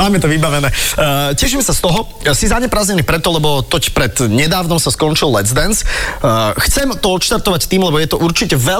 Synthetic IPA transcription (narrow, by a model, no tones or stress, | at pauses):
aːmɛt̪ɔʋibaʋɛnɛːcɛʃimɛsast̪ɔɦɔ | sizaɲɛpɾaːzɲɛniːpɾɛt̪ɔlɛbɔt̪ɔcpɾɛd̪ɲɛd̪aːʊnɔmsaskɔnt͡ʃilːɛd͡zd̪ɛns | xt͡sɛmt̪ɔɔt̪ʃt̪aɾt̪ɔʋact̪iːmlɛbɔjɛt̪ɔʔuɾt͡ʃicɛʋɛ